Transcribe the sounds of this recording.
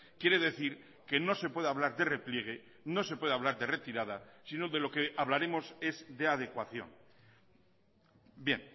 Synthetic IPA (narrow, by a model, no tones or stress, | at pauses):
kje̞ɾe̞ðe̞θiɾ | ke̞no̞se̞pwe̞ðeaβlaɾðe̞re̞plje̞ɣ̞e̞ | no̞sepwe̞ðeaβ̞laɾðe̞re̞t̪iɾað̞asinoðe̞lo̞keaβlaɾe̞mo̞se̞zðe̞að̞e̞kwaθjo̞̰ŋ | bje̞̰ŋ